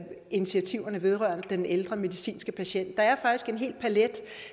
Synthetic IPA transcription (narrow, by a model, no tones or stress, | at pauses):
init͡sʰiæt͡sʰiʊɐnəʋe̝ð̞ˠʁɶɐ̰nəd̥eneld̥ʁɐme̝ðisḭːnsɡ̥əpʰæɕen̰d̥ːɑ̈æɐfɑ̈ɡ̥d̥isɡ̥e̝nɦe̝̰ːld̥pʰæled̥